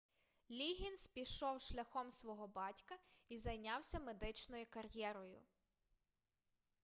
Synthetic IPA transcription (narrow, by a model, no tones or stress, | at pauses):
lʲiɦʲinspʲiʃɔwʃlʲɐxɔmsʋɔɦɔbɑtʲkɐizɐjnʲɑwsʲɐmed̪ɪt͡ʃnɔjikɐrjɛɾɔjʊ̰